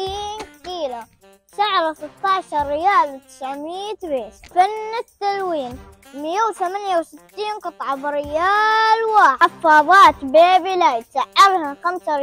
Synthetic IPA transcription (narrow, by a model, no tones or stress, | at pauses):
iːnkiːla | saʕɾˤasɪt̪ːɑʕʃɑɾːɪjaːlt̪ɪ̥sʕmiːt̪beːt̪fanːɪt̪ːalwiːn | mɪjːawθamanjawsɪt̪ːiːnqɨt̪ˤʕɑbɪɾɪjaːlwaːafːɑːðˤɑːt̪beːbilajsaʔalhaxamsaɾɪ